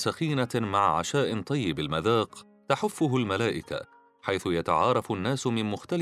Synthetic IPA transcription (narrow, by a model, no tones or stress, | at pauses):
saxiːnamaʕʕa̰ʃaːʔɪt̪ˤɑjːɪbalmaðaːq | t̪aħʊfːʊɦʊlmalaːʔɪka̰ | ħajθʊjat̪a̰ʕɑːɾˤɑfnːaːsmɪnmʊxt̪al